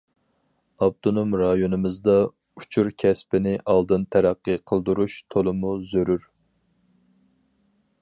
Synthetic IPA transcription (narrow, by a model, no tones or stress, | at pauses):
ɑb̚t̪ʰonomɾɑjonɨmɨzd̪ɑ | u̥t͡ʃʰuɾkʲʰɛspɪnɪʔɑlˠd̪ɨnt̪ʰæɾæqːɨqʰəlˠd̪uɾuʃt̪ʰolˠɨmuzøɾyɾ